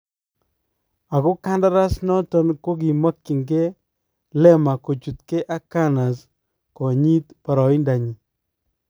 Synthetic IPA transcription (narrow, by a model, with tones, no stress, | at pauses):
a˨kʊ˦ka˦nda˦ɾa˦snɔ˦tɔ˦nko˦k̬i˨ma˦kːi˨ŋɡe˦ | lɛ˦ma˨ko˨t͡ʃu˨t̪ke˦ʔa˦ka˦na˨s | kɔ˨ɲi˦t̪pa˨ɾɔ˨i˦nda˨ɲi˨